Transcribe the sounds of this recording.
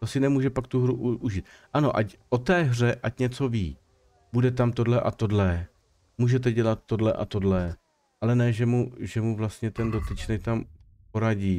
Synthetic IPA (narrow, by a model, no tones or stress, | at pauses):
t̪osɪnɛmuːʒɛpak̚t̪uɦɾuʔuʒit̪ʔanoʔacʔo̞t̪ɛːɦr̝ɛʔacɲɛt͡so̞vḭː | budɛt̪amt̪o̞dlɛʔat̪o̞dlɛ | muːʒɛt̪̬ɛɟɛlat̪ːo̞dlɛʔa̰t̪o̞dlɛ | ʔalɛnɛːʒɛmuʒɛmuvlast̪ɲɛt̪ɛndo̞t̪ɪt͡ʃnɛkt̪am | po̞ɾaɟiː